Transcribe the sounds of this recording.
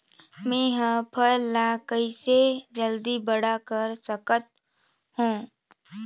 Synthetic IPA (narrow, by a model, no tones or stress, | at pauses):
mẽːɦə̃pʰəlːakəised͡ʒəld̪ibəɽakəɾsəkət̪̚ | hũː